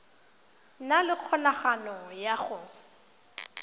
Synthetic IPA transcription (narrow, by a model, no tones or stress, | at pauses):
nalɪq͡χʰɔnaχanɔjaχʊ